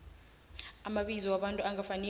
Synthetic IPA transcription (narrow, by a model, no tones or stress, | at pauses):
amaɓizɔwaɓantʼuaŋɡafanɛ